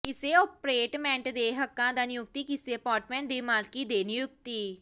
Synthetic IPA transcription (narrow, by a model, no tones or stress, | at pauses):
kɪseːoːpɾeːʈmɛ̃ːɳʈd̪eːɦəkːãːd̪aːnɪjʊk̚t̪iːkɪseəpaːɾʈmɛ̃ːɳʈ̚d̪eːmaːlkiːd̪eːnɪjʊk̚t̪iː